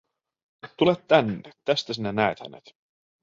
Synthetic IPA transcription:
t̪ulet̪t̪ænːet̪æst̪æsinænæet̪hæ̰nḛt̪

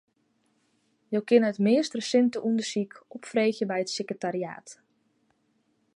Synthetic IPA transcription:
jowkɪnəətmɪːstrəsɪntəʔundəsikɔpfreːxjəbɛjətsekrətaɾia̰ːt

